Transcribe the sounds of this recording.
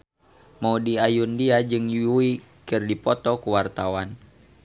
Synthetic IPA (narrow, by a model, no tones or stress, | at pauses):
maudiajundiad͡ʒɨŋjuui | kɨrdipɔt̪ɔkuwart̪awan